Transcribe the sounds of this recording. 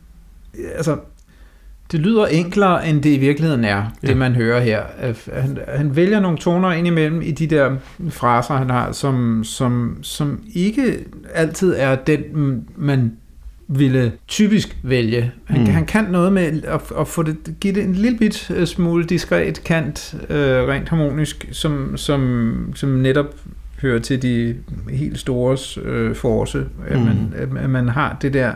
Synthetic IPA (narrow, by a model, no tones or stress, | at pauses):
ælsɐ | d̥e̝lyːð̰ˠɐʔeŋ̰ɡ̥lɐːʔend̥e̝iʋiɐɡ̥lihe̝ð̰ˠn̩æɐd̥e̝mænɦøːɐɦeɐ̰hænhænʋeljɐno̝ːn̩t͡sʰo̝̰ːnɐe̝nimel̰m̩id̥id̥eɐ̰ | fʁɑ̈ːsɐhænhɑ̈sɒ̽msɒ̽msɒ̽me̝ɡ̥əæl̰t͡sʰið̞̰ˠæɐd̥enmæn | ʋe̝lət͡sʰyːb̥isɡ̥ʋeljəhænɦænkʰænːɔ̽ːð̞̩ˠmeɒɒ̽fɔ̰̽d̥e̝ɡ̥id̥e̝e̝nliləb̥id̥smuːləd̥isɡ̥ʁɛ̰ːd̥kʰæn̰d̥øʁɛ̰nd̥hɑ̈mo̝̰ːnisɡ̥sɒ̽msɒ̽msɒ̽mneɾɒ̽b̥ | høːɐt͡sʰe̝ld̥ihe̝̰ːld̥sd̥o̝ːɐsøfɒːsəæmænææmænɦɑ̈d̥e̝d̥ɛɐ̰